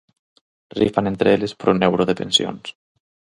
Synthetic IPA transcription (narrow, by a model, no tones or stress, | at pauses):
rḭfanent̪ɾeelespɾonewɾoðepensio̰ns